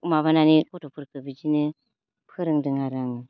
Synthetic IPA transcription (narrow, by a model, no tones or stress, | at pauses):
umaβananikɔtɔpʰɯɾkɯbɯd͡ʒinɯ | pʰɯɾɯŋdɯŋaɾaŋ